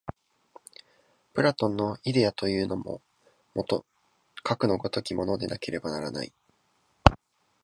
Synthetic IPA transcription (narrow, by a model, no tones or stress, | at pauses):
pɯ̟ɾat̪õ̞nːo̞id̪e̞at̪o̞jɯ̟ːno̞mo̞̰ | mot̪o | kakɯ̟no̞ɡo̞t̪o̞kʲimo̞no̞d̪e̞na̰ke̞ɾe̞banaɾana̰i